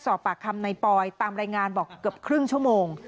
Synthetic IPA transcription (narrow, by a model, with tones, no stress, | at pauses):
sɔː˨˩p̚ːaː˨˩kʰa˧mna˧jpɔː˧jt̪aː˧mɾaː˧jŋaː˧nbɔː˨˩kːɯ˨˩əp̚kʰɾɯ˥˩ŋt͡ɕʰu˥˩əmoː˧ŋ